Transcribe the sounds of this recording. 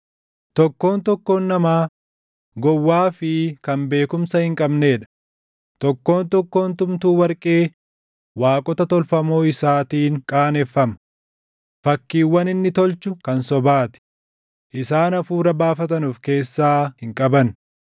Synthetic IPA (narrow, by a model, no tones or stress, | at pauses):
t̪ɔkːo̞ːnt̪ɔkːo̞ːnːɐmaː | ɡɔwːaːfɪkɐmbe̞ːkʊmsɐhɪŋkʼɐbne̞ːᶑɐ̥ | t̪ɔkːo̞ːnt̪ɔkːo̞ːnt̪ʊmt̪uːwɐɾkʼeː | waːkʼɔt̪ɐt̪ɔlfɐmo̞ːɪsaːt̪iːŋkʼaːnɛfːɐmɐ | fɐkːiːwːɐnɪnːɪt̪ɔlt͡ʃʊkɐnsɔbaːt̪ɪ̥ | ʔɪsaːnɐfuːɾɐbaːfɐt̪ɐnuːfke̞ːsːaːhɪŋkʼɐbɐn